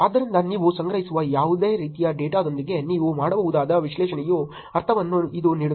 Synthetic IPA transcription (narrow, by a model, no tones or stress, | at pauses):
aːd̪ɐɾind̪ɐniːʋusɐŋɡɾɐɦisuʋɐjaːʋud̪e̞ːɾiːt̪ijɐɖeːʈaːd̪o̞nd̪iɡe̞niːʋumaːɽɐbɐːʋud̪aːd̪ɐʋiʃlɛːʃɐɳɛju | ɐɾt̪ʰɐʋɐnːuid̪uniːɽu